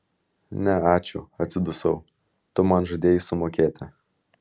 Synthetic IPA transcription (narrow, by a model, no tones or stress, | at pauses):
nʲɛɑːt͡ʃʲʊɐt̪ʲsʲɪd̪ʊsɐʊ | t̪ʊmɐnʒɐd̪ʲeːjɪsʊmoːkʲeːt̪ʲɪ